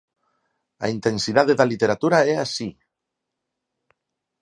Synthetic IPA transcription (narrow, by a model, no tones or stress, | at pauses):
a̰int̪e̞nsiðaðeðalit̪eɾat̪uɾaeasi